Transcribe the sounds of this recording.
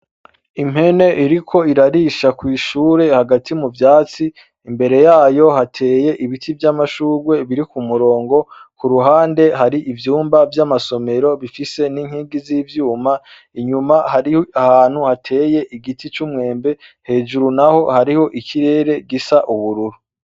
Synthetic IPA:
im̥he̞ne̞ʔiɾikʰo̞iɾaɾiʃakwiːʃuːɾe̞haɡatʰimuvjaːt͡siː | mbe̞ɾe̞jaːjo̞hatʰe̞ːje̞ʔiβitʰivjamaʃuːɾɡwe̞βiɾikumuɾo̞ːŋɡo̞kuɾuɦaːnde̞ɦaɾiʔivjuːmbavjamaso̞me̞ɾo̞βifise̞niŋhiːɡiziːvjuːma | iɲumahaɾiahaːn̥huhatʰe̞ːje̞ʔiɡitʰit͡ʃumŋe̞ːmbe̞he̞ːʒuɾunaho̞haɾiho̞ʔiciɾe̞ːɾe̞ɡisaʔuβuɾuɾu

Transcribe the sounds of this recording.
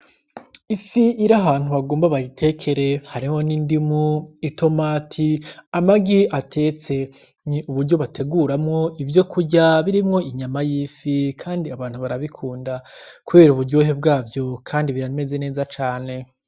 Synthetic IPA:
ifiiɾaɦaːn̥uβaɡoːmbaβaɡitʰe̞kʰe̞ɾe̞haɾiho̞nindimuito̞maːtʰiamaɡiʔatʰe̞ːt͡se̞ | ɲiʔuβuɾɟo̞βatʰe̞ɡuɾamŋo̞ivjo̞kʰuɟaβiɾimŋo̞iɲamajiːfikʰaːndiaβaːn̥huβaɾaβikʰuːndakuβe̞ːɾuβuɾɟo̞ːɦe̞b̚ɡaːvjo̞kʰaːndiβiɾame̞ze̞ne̞ːzat͡ʃaːne̞

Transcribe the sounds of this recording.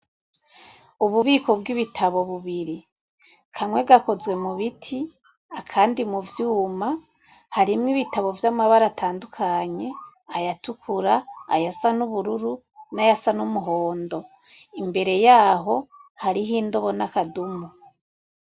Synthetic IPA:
uβuβiːko̞bɡiβitʰaβo̞βuβiɾi | kʰaŋwe̞ɡako̞zwe̞muβitʰi | akʰaːndimuvjuːma | haɾimŋiβitaβo̞vjamaβaɾatʰaːndukʰaɲe̞ajatukʰuɾaːjasanuβuɾuɾu | najasanumuɦo̞ːndo̞ | imbe̞ɾe̞jaːɦo̞haɾiɦiːndoβo̞nakadumu

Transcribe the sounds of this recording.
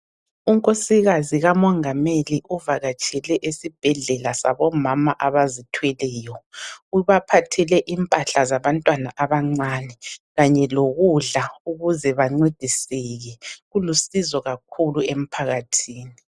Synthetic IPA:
uŋkʼosiɣaziɣamɔŋameliʔuvaɣat͡ʃʼʰɛlɛʔesib̥ʱɛɮɛlasa̰βɔmamaʔaβazitʰwɛlɛːjɔuβapʰatʰɛlɛʔimpʼaɬazaβantʼwanaʔaβaŋ͡ǀanɛɣaɲɛloɣuɮauɣuzɛβaŋ͡ǀed̥ʱisɛɣɛɣulusizɔɣak̚ʰuluem̩pʰaɣatʰiːni

